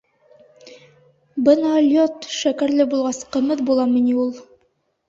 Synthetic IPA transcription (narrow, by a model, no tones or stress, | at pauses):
bɤnɑlʲjot̪ʃækæɾlɘbulˠʁɑsqɤ̆mɤðbulˠɑminiulˠ